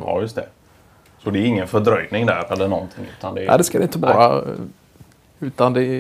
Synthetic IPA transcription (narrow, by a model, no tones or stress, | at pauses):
jɵst̪ɛ̰ | sɔd̪ɛæɾɪŋːənfœɖɾœjnɪŋd̪æːɾɛlːəɳɔnt̪ʰɪŋːʉ̟ːt̪and̪ɛʔɛ̰ɪd̪ɛskad̪ɛɪnt̪əbɑːɾa̰ | ʉ̟ːt̪and̪ɛ